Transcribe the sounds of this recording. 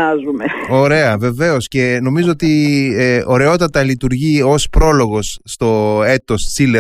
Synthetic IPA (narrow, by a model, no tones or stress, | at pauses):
ɐzumeo̞ɾe̞ɐve̞ve̞o̞sce̞no̞mizoot̪i | o̞ɾe̞o̞t̪ɐt̪ɐlit̪uɾʝio̞spɾo̞lo̞ɣo̞sːt̪o̞e̞t̪o̞st͡sile